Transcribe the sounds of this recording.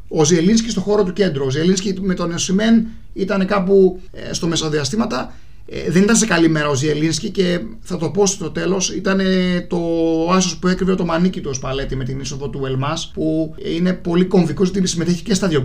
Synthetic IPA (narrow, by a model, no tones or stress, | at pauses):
o̞zielins̬cist̪o̞xo̞ɾo̞t̪uce̞nd̪ɾuozielinscimet̪o̞neosimen | it̪ɐne̞kɐpṵ | st̪ome̞soðiɐst̪imɐt̪ɐ̰ | ðenit̪ɐnse̞kɐlime̞ɾɐozielinscice̞ | θɐt̪o̞po̞st̪o̞t̪e̞lo̞sit̪ɐne̞t̪o̞ɐsospueɐkɾiveɐt̪o̞mɐnicit̪uospɐle̞t̪ime̞t̪iniso̞ðot̪uelmɐspuine̞po̞liko̞ɱvikozʝɐt̪isimet̪eçi̥cest̪ɐðjo